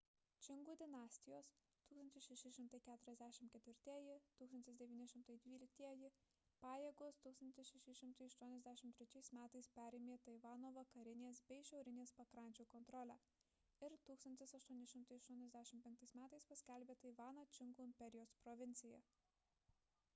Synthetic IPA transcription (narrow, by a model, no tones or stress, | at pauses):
t͡ʃʲɪŋɡuːd̪ʲɪnɑːsʲt̪ʲɪjoːs | t̪uːkst̪ɐnʲt̪ʲɪsʃʲɛʃʲɪʃʲɪmt̪ɐɪkʲæːt̪ʊɾʲɛzʲd̪ʲæːʃʲɪmt̪kʲɛt̪ʲʋʲɪɾʲt̪ʲiɛjɪt̪uːkst̪ɐnʲt̪ʲɪsd̪ʲɛʋʲiːnʲɪʃʲɪmt̪ɐɪd̪ʲʋʲiːlʲɪk̚t̪ʲiɛjɪ | pɑːjeːɡoːst̪uːkst̪ɐnʲt̪ʲɪsʃʲɛʃʲɪʃʲɪmt̪ɐɪɐʃt̪uɔnʲɛzʲd̪ʲæːʃʲɪmt̪ʲɾʲɛt͡ʃʲɛɪsmʲæːt̪ɐɪspʲæːɾʲeːmʲeːt̪ɐɪʋɑːnoːʋɐkɐɾʲɪnʲeːsbʲɛɪʃʲɛʊɾʲɪnʲeːspɐkɾɐˑnʲt͡ʃʲuːkɔnt̪ɾɔlʲæː | ɪɾt̪uːkst̪ɐnʲt̪ʲɪsɐʃt̪uɔnʲɪʃʲɪmt̪ɐɪɐʃt̪uɔnʲɛzʲd̪ʲæːʃʲɪmpʲɛŋk̚t̪ɐɪsmʲæːt̪ɐɪspɐsʲkʲɛlʲbʲeːt̪ɐɪʋɑːnɐt͡ʃʲɪŋɡuːɪmʲpʲɛɾʲɪjoːspɾɔʋʲɪnʲt̪sʲɪjɛ